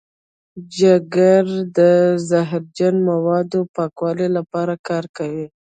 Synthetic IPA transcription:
d͡ʒaɡaɾd̪əzaɦɾd͡ʒanmawɑd̪opɑkwɑlelapɑɾakɑɾkawi

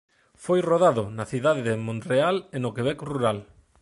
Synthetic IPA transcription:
fojroðaðʊnɐθiðaðeðemõnrealenokeβ̞ɛkoruɾal

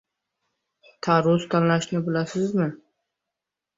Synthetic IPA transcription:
t̪ʰaɾʊst̪ʰanlaʃnɪbɪlasɪzmɪ

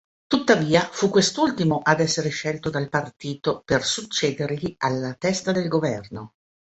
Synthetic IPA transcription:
t̪ut̪ːaviːafukːwest̪ult̪imoʔad̪ɛsːeɾeʃɛlt̪od̪alpart̪iːt̪opersut͡ʃːeːd̪erʎialːat̪ɛst̪ad̪elɡovɛrno

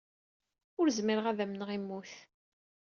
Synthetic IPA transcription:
ʊɾzmiɾəʁæðæmnəʁimːuθ

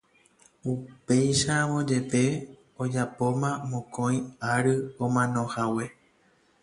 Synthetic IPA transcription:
upe̞jʃamõd͡ʒe̞t̪e̞ | od͡ʒapo̞mãmõkõĩaɾɨomãnõ̞hawe̞

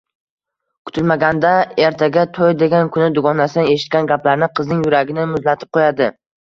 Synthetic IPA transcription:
kʰʊ̥t̪ʰɪlmaɡʲand̪aeɾt̪ʰaɡʲat̪ʰojd̪e̞ɡʲankʰʊnɪd̪ʊɡɒnasɪnɪeʃɪ̥t̪̚kʲanɡʲaplaɾnɪqʰɨznɪŋjʊɾaɡʲɪnɪmʊzlat̪ʰɪp̚qʰojad̪ɪ

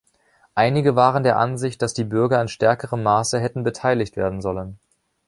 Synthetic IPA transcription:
ʔaɪnɪɡəvaːʁəndeːɐʔanzɪçt̚d̥asd̥iːbʏɐɡɐɪnʃtɛɐkəʁəmːaːsəɦɛtn̩bətʰaɪlɪçtv̥eːɐdn̩zɔlən

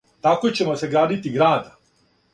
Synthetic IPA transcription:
t̪akojt͡ɕe̞moseɡɾaːd̪it̪iɡɾaːd̪a

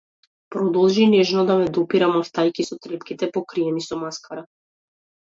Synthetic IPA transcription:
pɾɔd̪ɔlˠʒinɛʒnɔd̪amɛd̪ɔpiɾamaft̪ajkisɔt̪ɾɛpkit̪ɛpɔkɾiɛnisɔmaskaɾa

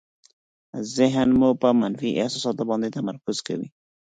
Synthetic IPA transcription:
zɪɦnmupəmanfiʔɪhsɑsɑt̪obɑnd̪et̪amaɾkʊz̥ka̰wḭ

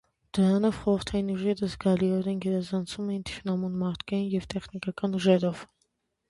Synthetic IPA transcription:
d̪̥əɾɑnɔvχɔɾəɾt̪ʰɑjinuʒɛɾəzɡɑliɔɾɛnɡɛɾɑzɑnt͡sʰumɛjint̪ʰi̥ʃnɑmunmɑɾt̪ʰkɑjinjɛvt̪ɛχnikɑkɑnuʒɛɾɔv

